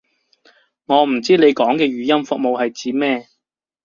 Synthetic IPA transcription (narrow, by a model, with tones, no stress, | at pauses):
ŋɔː˨˧m̩˨˩t͡siː˥ne˨˧jkɔː˨˥ŋkɛː˧ɥyː˨˧jɐ˥mfʊ˧k̚mo˨whɐ˨jt͡siː˨˧˥mɛː˥˧